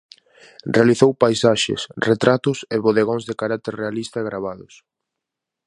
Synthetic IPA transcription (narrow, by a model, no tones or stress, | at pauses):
realiθowpajsaʃḛsret̪ɾat̪ʊseβoðeɣ̞õŋzðekaɾak̚t̪eɾrealist̪ɐeɣɾaβ̞aðʊ̰s